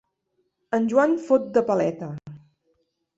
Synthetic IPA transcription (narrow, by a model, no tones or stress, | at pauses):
ənʲʒwanfot̪̚d̪əpəlɛt̪ə